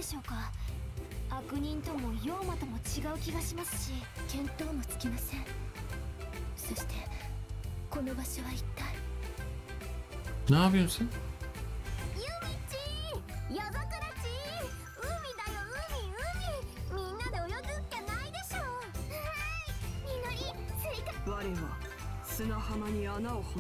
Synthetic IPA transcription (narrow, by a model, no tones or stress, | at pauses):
eɕo̞ːka | akɯ̟ɲ̟ĩnt̪o̞mo̞jo̞ːmat̪o̞mo̞t͡ɕiɡaɯ̟kʲiɡaɕimasɨ̥ɕikẽ̞nt̪o̞ːmo̞t͡sɨ̥kʲimasẽ̞ɴ | so̞ɕi̥t̪ʰe̞ | ko̞no̞baɕoβait̪ːai | nabiose | jɯmʲit͡ɕijaɡakɯɾat͡ɕi | ɯmʲid̪ajoɯ̟̃mʲiɯ̟̃mʲimʲĩnːad̪eojot̪ɨkʲːenaid̪e̞ɕoːaɲinoɾʲisɨit̪aβaɾeβa̰ | sɨnahamaɲ̟ianaoho